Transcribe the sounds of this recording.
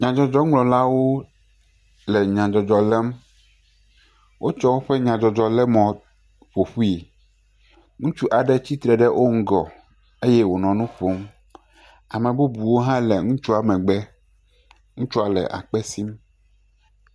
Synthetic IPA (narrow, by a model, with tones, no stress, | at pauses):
ɲã˨d͡ʒɔ˨d͡ʒɔ˦ŋlɔ̃˨la˦wo˦ | lɛ˨ɲã˨d͡ʒɔ˨d͡ʒɔ˨lɛ˦m | wʔo˦t͡ʃɔ˦wo˦ɸɛ˦ɲã˨d͡ʒɔ˨d͡ʒɔ˨lɛ˦mɔ̃˨ | ɸo˨ɸu˦i˨ | ŋũ˦t͡ʃu˦ʔa˨ɖɛ˦t͡ɕi˦t̪ɾɛ˨ɖɛ˦wʔo˦ŋ̩˦ɡɔ˨ | e˦jɛ˦wo˨nɔ̃˨nũ˦ɸo˦m | a˨mɛ̃˨bu˦bu˨wo˦ɦã˦lɛ˨ŋũ˦t͡ʃu˦a˨mɛ̃˨ɡ͡bɛ˦ | ŋũ˦t͡ʃu˦a˨lɛ̰˨ʔa̰˨k͡pɛ˦si˦m